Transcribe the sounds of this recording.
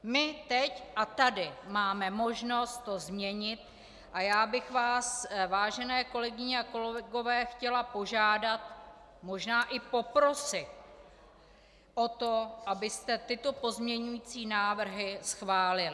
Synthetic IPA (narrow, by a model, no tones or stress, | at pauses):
mɪt̪ɛcʔat̪adɪmaːmɛmo̞ʒno̞st̪tːo̞zmɲɛɲɪt̪̚ | ʔajaːbɪxvaːsvaːʒɛnɛːko̞lɛɡɪɲɛako̞lɛɛɡo̞vɛːxcɛlapo̞ʒaːdat̪ | mo̞ʒnaːʔɪpo̞pɾo̞sɪt̪ | ʔot̪o̞ʔabɪst̪ɛt̪ɪt̪o̞po̞zmɲɛɲujiːt͡siːnaːvr̩ɦɪsxvaːlɪlɪ